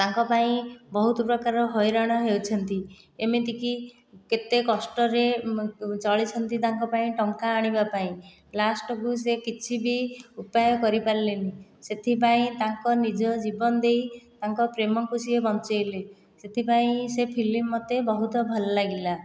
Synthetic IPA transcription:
t̪aŋkɔpaĩbɔɦut̪ɔpɾɔkaɾɔɦɔjɾaɽ̃ɔɦewt͡ʃʰɔnt̪i | emit̪iki | ket̪ekɔsʈɔɾe | t͡ʃɔɭit͡ʃʰɔnt̪it̪aŋkɔpaĩʈɔŋkaːɽ̃ibapaĩ | lasʈɔkus̬ekit͡ʃʰibiupajɔkɔɾipaɾileniset̪ʰipaĩt̪aŋkɔnid͡ʒɔd͡ʒibɔnɔd̪ejt̪aŋkɔpɾemɔkusiebɔnt͡ʃɔjle | set̪ʰipaĩsepʰilimːɔt̪ebɔɦut̪ɔbʱɔlɔlaɡila

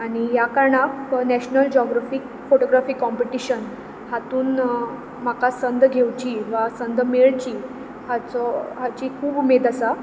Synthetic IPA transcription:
aɽ̃ijakaɾɳaknæɕnəld͡ʑɔɡɾafiːk | foʈoɡɾafiːkɔmpeʈiɕən | hat̪uːn | m̤akasənd̪ɡʱewt͡ɕiʋasənd̪meɭt͡ɕiː | hat͡sɔɦat͡ɕikʰuːbmed̪asa

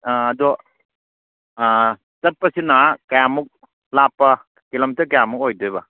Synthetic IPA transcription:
ɐdɔ | t͡ʃɐt̚pɐsinakɐjamuk̚ | lapːɐ | kilɐmtɐkɐjamuk̚ojdɯbɐ

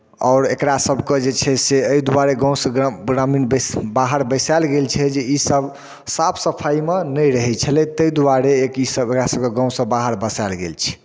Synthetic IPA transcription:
ɔ̰ʊɾḛkɾasəbʱked͡ʒet͡ʃʰɛseəid̪waɾeɡɔ̃w̃sə̃ɡɾaminbbaɦəɾbəsalɡelt͡ʃʰɛd͡ʒeisəb | sapʰsəpʰajmenəjɾəɦɛt͡ʃʰɛlɛt̪əid̪waɾeːkisəbekɾasəb̚keɡɔ̃w̃sə̃baɦəɾbəsalɡḛlt͡ʃʰɛ̥

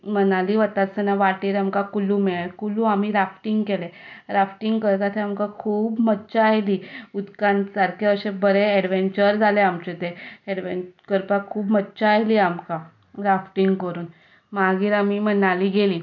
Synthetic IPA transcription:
mənaliːʋət̪asənaʋaʈiːɾamkakulumeɭakuluam̤iːɾafʈiŋɡkeleɾafʈiŋɡkəɾt̪at̪ʰeamkakʰuːbmətːt͡ɕaajliːud̪kãnsaɾkʰeəɕẽbəɾeɛɽʋeɲt͡ɕəɾd͡zʱaleamt͡ɕet̪eɛɽʋekəɾpakʰuːbmətːt͡ɕaajliamka | ɾafʈiŋɡkəɾuːn | maɡiːɾam̤iːmənaliːɡeliː

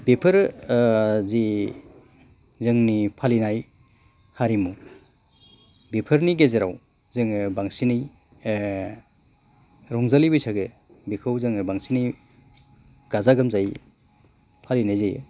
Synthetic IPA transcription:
bepʰɯɾ | zi | zɯŋnipʰalinaj | haɾimu | bepʰɯɾniɡezeɾaw | zɯŋbaŋsinij | ɾɔŋzalibɯjsʰaɡɯ | bikʰɯwzɯŋɯbaŋsinij | ɡ̥azaɡamzaj | pʰalinajzej

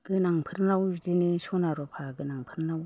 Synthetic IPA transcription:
ɡ̥ɯnaŋpʰɯɾnawzinɯsɔnaɾɔpʰaɡɯnaŋpʰɯɾnaw

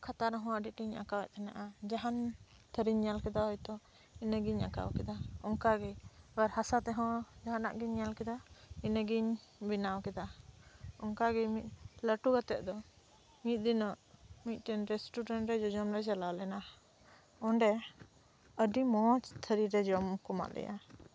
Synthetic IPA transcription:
kʰat̪aɾɦɔ̃əɖiʈiɲa̰kawɛʔ̚t̪ʰɛna̰ʔad͡ʒaɦant̪ʰəɾiɲɲalkɛd̪aɦɔjt̪ɔ | inəɡiɲa̰ka̰wkɛd̪aɔŋkaɡɛbaɾhasat̪ɛɦɔ̃d͡ʒaɦana̰ʔɡiɲːalkɛd̪ainəɡiɲbinawkɛd̪a | ɔŋkaɡɛmit̪̚ˀləʈuɡat̪ɛʔ̚d̪ɔ | mit̪̚ˀd̪inɔʔmit̪̚ˀʈɛnɾɛsʈuɖɛnʈɾɛd͡ʒɔd͡ʒɔmɾɛd͡ʒalalɛna | ɔɳɖɛ | əɖimɔt͡ʃt̪ʰəɾiɾɛd͡ʒɔmkɔma̰ʔlɛ̰ja̰

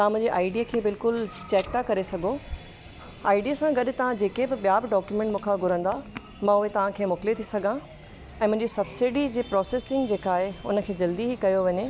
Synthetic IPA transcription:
t̪ɐãmʊ̃ɦɪ̃ɲd͡ʑeʔaːɪɖijəkʰeːbɪlkʊlt͡ɕɛːkt̪ʰakɐɾesɐɡʱo | aːɪɖijəsãɡɐɗʊt̪ɐʋ̤ãd͡ʑeːkebɪɓijabɪɖɔːkjumɛ̃ɳʈmʊ̃ːkʰãɡʱʊɾə̃nd̪a | mãʊɦet̪ɐʋ̤ãkʰeːmʊːkɪlet̪ʰisɐɡʱã | ɛ̃ːmʊ̃ɦɪ̃ɲd͡ʑisɐbsiɖid͡ʑeːpɾɔːseːsɪ̃ŋɡd͡ʑeːkaːɦeʊ̰nə̆kʰeːd͡ʑɐld̪iɦikɐjoʋɐɲe

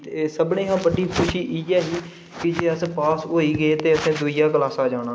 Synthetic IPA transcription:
t̪ːsəbnẽːɦãːbəɖiːkʰʊʃiːʔiɛːɦiː | kɪd͡ʒeːəspaːsoːiːɡəeːt̪eːəsẽːd̪uɪjaːkəlaːsãːd͡ʒaːɽ̃ãː

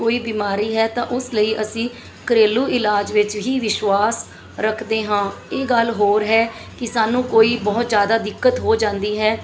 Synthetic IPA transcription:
oːiːbiːmaːɾiːɦɛːt̪ãːʔʊsləiːʔəsĩː | kəɾeːluːɪlaːd͡ʒʋɪt͡ʃɦiːʋɪʃʋaːs | ɾəkʰd̪eːɦãːeːɡəlɦoːɾɦɛː | kɪsaːnũːkoːiːbɔːt̪zjaːd̪aːd̪ɪkːət̪ɦoːd͡ʒãːnd̪iːɦɛː

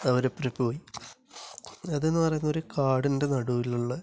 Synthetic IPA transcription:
ɐʋɐɾepːripo̞ːji | ɐðe̞nːupɐrɐjunːɐo̞ɾukʰaːɽinde̞nɐɽuʋiluɭːɐ

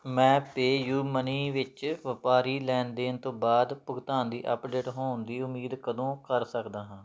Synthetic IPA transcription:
mɛ̃ːpeːjuːməniːʋɪt͡ʃʋəpaːɾiːlɛːnd̪eːnt̪õːbaːd̪pʊɡt̪aːnd̪iːʔəpɖeːʈɦoːnd̪iːʊmiːd̪kəd̪õːkəɾsəkd̪aːɦãː

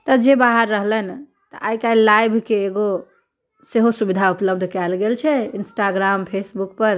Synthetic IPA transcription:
t̪əd͡ʒebaɦəɾːəɦlɛn | t̪əʔajkailajbʱkeːɡo | seɦosubid̪ʱaupləbd̪ʱkɛlɡelt͡ʃʰɛinsʈaɡɾampʰesbuk̚pəɾ

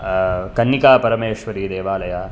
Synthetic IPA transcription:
kɐnːikaːpɐɾɐmeːʃʋɐɾiːd̪eːʋaːlɐjaː

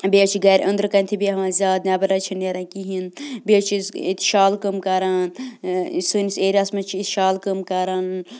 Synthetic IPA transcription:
bet͡ʃʰiɡɐɾʲʔɐnd̪ɾkɐnʲt̪ʰibiɦʋãːnzʲaːd̪̚nʲaːbɐɾɐt͡ʃʰineɾãkiɦinbet͡ʃʰizḭt̪ʰʃaːlkəmkaːɾaːn | suniseːɾʲasmɐt͡ʃʰiit̪ʃaːlkəmkaɾaːn

